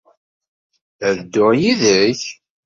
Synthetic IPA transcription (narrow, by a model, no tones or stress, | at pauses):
æðd̪ːʊʁjiðəç